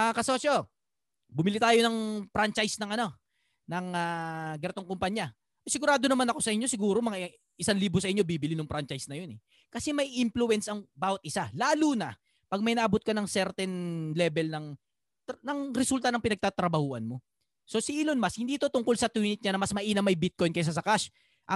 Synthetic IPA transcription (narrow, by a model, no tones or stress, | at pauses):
ɐkɐsoso | bʊmɪlit̪aːjonɐŋpɾant͡ʃɐjsnɐŋɐno̞ | nɐŋaɡɐɾt̪o̞ŋkʊmpaɲjɐ | ʔosɪɡʊɾaːd̪o̞nɐmanɐko̞sɐʔɪɲːo̞sɪɡuːɾo̞mɐŋa | ʔɪsanliːbosɐʔɪɲːo̞biːbɪlinʊŋpɾant͡ʃɐjsnɐjonɛ | kɐsɛmɐjʔɪmpluwɛnsɐŋbaːwɐt̪̚ʔɪsalaːlunɐ | pɐɡ̚mɐjnɐʔɐbot̪̚kɐnɐŋsɛɾt̪ɛnlɛbɛlnɐŋ | nɐŋɾɛsult̪ɐnɐŋpɪnɐɡ̚t̪aːt̪ɾɐbɐhuːʔɐnmo̞ | so̞sɪʔilonmashɪnd̪iːt̪o̞t̪ʊŋko̞lsɐt̪winɪt̪̚ɲanɐmɐsmɐʔiːnɐmɐjbɪt̪̚ko̞jnkɐjs̬ɐs̬ɐkaʃ | ʔɐ